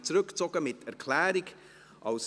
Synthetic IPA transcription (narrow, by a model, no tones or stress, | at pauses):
t͡sɾɵkt͡sɔɡ̥əmɪtʰɛɾkʰlɛːɾiɡ | ʔɑʊs